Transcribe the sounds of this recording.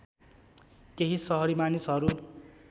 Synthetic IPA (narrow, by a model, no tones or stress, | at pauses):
keɦisʌɦʌɾimanisɦʌɾu